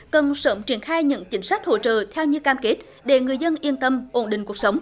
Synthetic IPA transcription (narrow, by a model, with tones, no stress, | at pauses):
kə˨˩nsəː˧˦mt͡ɕi˧˩ənxaː˧jɲɨ̰˧˥ŋt͡ɕï˨˦ŋ̟sa˦˥k̟̚ho̰˧˨t͡ɕə̰ː˧˨t̪ʰɛ˧wɲɨ˧kaː˧mke˦˥t̚ | ɗe˧˩ŋɨ˨˩əjzə˧nʔi˧ənt̪ə˧mʔo˧˩nɗï˨ŋ̟ku˨˩ək̚sə˨˦wŋ͡m